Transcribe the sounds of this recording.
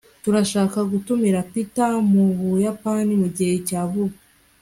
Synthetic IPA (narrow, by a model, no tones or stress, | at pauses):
tuɾaʃaːkaɡutumiɾapitamuβujapanimuɟihe̞caːvuβ